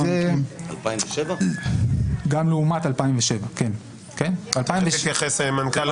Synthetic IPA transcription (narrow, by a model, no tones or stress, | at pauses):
a̰lpaimveʃeva | ɡamleumat̪alpaimveʃevaken | kenalpaimvejaχesemankal